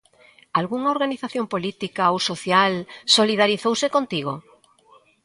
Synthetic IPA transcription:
alɣuŋaoɾɣaniθaθjompolit̪ikaowsoθjalsoliðaɾiθowsekont̪iɣ̞o

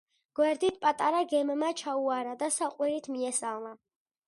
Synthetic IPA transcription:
ɡ̥wɛɾd̪it̪̚ʰpʼat̪ʼaɾaɡɛmːat͡ʃʰauaɾad̪asaqʼwiɾit̪ʰmiɛsalˠna

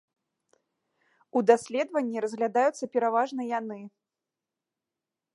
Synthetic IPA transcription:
ud̪asʲlʲɛd̪vɐnʲːiɾɐzɣlʲad̪ajut̪sːɐpʲɛɾavaʐnɐjanɨ

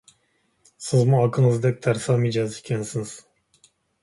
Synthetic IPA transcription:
sɯzmuakʰɯnɯzd̪ɛk̚t̪ʰæɾsamijd͡ʒaːzcʰɛnsɯnɯz̥

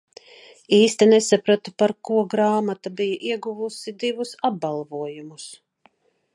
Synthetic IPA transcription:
iːst̪inesapɾat̪upaɾkuɔɡɾaːmat̪abijɐʔiɛɡuvusid̪ivusab̚ːalˠvuɔjumus

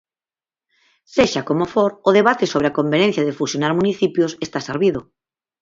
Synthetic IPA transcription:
seʃakomofoɾoðeβ̞at̪esoβ̞ɾeakombenẽn̟θjaðefusjonaɾmuniθipjosest̪aseɾβiðo

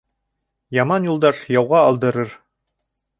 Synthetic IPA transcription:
jɑmɑnjulˠd̪ɑʃjɑwʁɑːlˠd̪ɤ̆ɾɤɾ

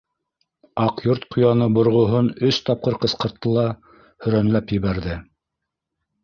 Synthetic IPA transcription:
ɑqjoɾt̪̚qʰŏjɑnɤbŏɾʁŏɦɤnɵst̪ɑp̚qɤɾqɤ̆sqɤ̆ɾt̪ːɤlˠɑ | hɵ̆ɾænlæpjɘ̆βæɾðɘ

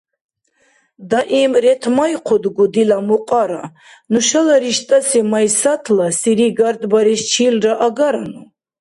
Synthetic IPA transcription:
d̪aʔimɾɛt̪ʰmajqʰɔd̪ɡud̪ilamuqʼaɾa̰ | nuʃalaɾiʃt̪ʼasimajsat̪ʰlasiɾiɡaɾd̪baɾist͡ʃʰilraʔaɡaɾanu

